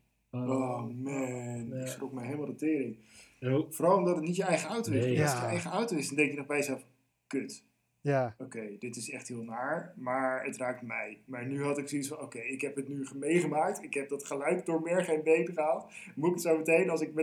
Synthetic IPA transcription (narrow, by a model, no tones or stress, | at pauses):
ɔmɛnɪksksrɔkmɛjɦelˠmalˠdətɪːɾɪn | foːɾɑlˠɔmdɑtətnitjəɛjχəawtoɪχɪjəɛjχəawtowɪsdɔndɛŋkjənɔχbɛjəzɛlˠf | køt | owkejdɪtɪsɛχtɦɪːlˠnaːɹmaːɹətraːk̚tmɛjmaːɹnyɦɑtɪksisfɑ̃nowkejɪkɦɛpɦətnyχəmejχəmaːk̚tɪkɦɛp̚dɑtχəlœɥkdʊːɹmɪɹχenbejdəχəɦɑt | muɪkətsowmətejnɑlˠsɪkmɛ